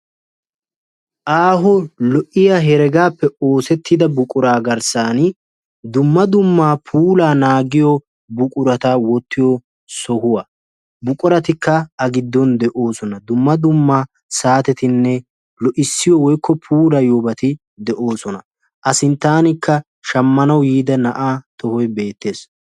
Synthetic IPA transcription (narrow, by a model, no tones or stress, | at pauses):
ʔaːɦɔlɔʔɪjaɦɛɾɛɡaːpːɛoːsɛt̪ːɪd̪ɐbʊkʼʊɾaːɡɐɾsaːn | d̪ʊmːɐd̪ʊmːaːpʰuːlaːnaːɡɪjɔ | bʊkʼʊɾɐt̪awɔt̪ʰːɪjɔ | sɔhʊwɐ | bʊkʼʊɾɐt̪ɪkːɐɐɡɪd̪ːɔnd̪ɛʔo̞ːsɔnɐd̪ʊmːɐd̪ʊmːaː | saːt̪ɛt̪ɪnːɛ | lɔʔɪsːɪjɔwɔjkʰːɔpʰuːɾɐjoːbɐt̪ɪ | d̪ɛʔo̞ːsɔnɐ | ʔɐsɪnt̪ːaːnɪkʰːɐ | ʃɐmːɐnɐwjiːd̪ɐnɐʔaːt̪ɔhɔjbe̞ːt̪ːe̞ːs